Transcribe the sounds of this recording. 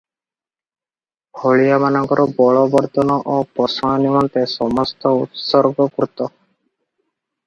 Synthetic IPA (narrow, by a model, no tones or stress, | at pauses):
bʱɔɭijamanɔŋkɔɾʔɔbɔɭɔbɔɾt̪ɔnɔʔopɔsɔɔnimɔnt̪esɔmɔst̪ɔut̪sɔɾɡɔkɾut̪ɔ